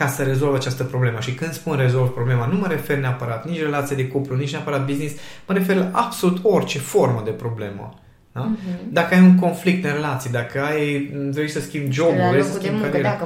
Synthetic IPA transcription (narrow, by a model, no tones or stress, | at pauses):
kasəɾe̞zo̞lvat͡ʃast̪əpɾo̞ble̞məʃikɨnd̪spunre̞zo̞lvpɾo̞ble̞manuməɾe̞fe̞rneapəɾat̪nit͡ʃʲre̞lat̪sijad̪e̞kuplunit͡ʃneapəɾat̪̚biznisməɾe̞fe̞rlaʔab̥so̞lut̪o̞rt͡ʃe̞fo̞rməd̪e̞pɾo̞ble̞mə̰ | nad̪akəajuŋko̞nflik̚t̪nɾe̞lat̪sijd̪akəajt̪ɾeʃsəskʲimbd͡ʒo̞buɾesəskimkaɾe